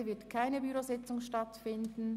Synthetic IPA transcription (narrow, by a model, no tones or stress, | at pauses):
vɪɐtkʰaɪnəbyʁozɪt͡sʊŋʃtɑtfɪndn̩